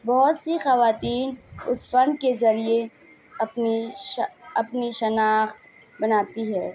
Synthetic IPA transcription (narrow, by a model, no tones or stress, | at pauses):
bɐɦʊt̪sixɐʋaːt̪iːnʊsfɐ̃nd̪̚kezɐɾie | ɐpni | ɐpniʃɐnaːxt̪ | bɐnaːt̪iɦɛː